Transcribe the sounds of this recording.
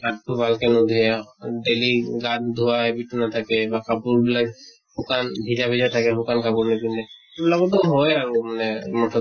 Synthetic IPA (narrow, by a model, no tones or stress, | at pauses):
aʈ̚kʰubʱalkenod̪ʱieɖeliɡat̪̚d̪ʱuabiʈːunat̪ʰakebakapuɾbila | bukanbʱid͡ʒabʱid͡ʒat̪ʰakebʱukankapuɾnepineeblakot̪oɦoeaŋmanemɔʈʰo